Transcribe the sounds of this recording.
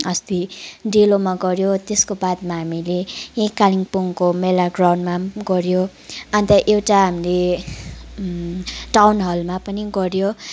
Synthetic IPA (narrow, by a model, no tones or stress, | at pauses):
ʌst̪iɖilomaɡʌɾjot̪eskobad̪̚maɦamilejẽjkaliŋpoŋkomelaɡrawɳɖmaɡʌɾjo | ant̪ʌʔewʈaɦamile | ʈawnɦʌlmapʌniɡʌɾjo